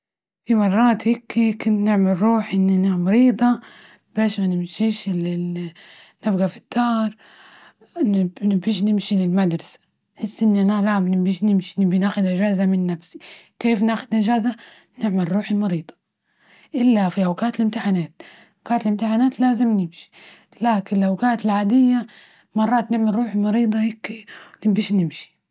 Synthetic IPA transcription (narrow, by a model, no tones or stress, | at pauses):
fimɑrˤːɑːt̪hikekʊnnɪʕmɪlɾuːħʔɪnːianamɑɾiːd̪ˤɑ | b̥eːʃmanɪmʃiːʃɪ | nɪbɡafi̥d̪ːɑːɾˤ | nbiːʃ̬nɪmʃilɪlmad̪ɾˤɑsḁ | ħɪsːʔɪnːiʔanalamnbiːʃnɪmʃinɪbinaːxʊd̪ʔaʒaːzamɪnːafsi̥ | keːfnaːxʊd̪nɪʒaːza | nɪʕmalɾuːħimɑɾiːd̪ˤɑ̥ | ʔɪlːafiʔawkaːt̪ɪlɪmt̪ɪħanaːt̪̚ | awkaːt̪lɪmt̪ɪħanaːt̪laːzɪmnɪmʃi̥ | laːkɪnɪlʔawkaːt̪ɪlʕaːd̪ɪjːa | mɑrˤːɑːt̪nɪʕmalɾuːħimɑɾiːd̪ˤɑheːkːnɪbiːʃnɪmʃi̥